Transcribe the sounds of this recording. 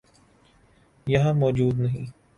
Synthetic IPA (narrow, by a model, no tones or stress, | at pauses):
jɐɦãmɔːd͡ʒuːd̪nɐɦĩː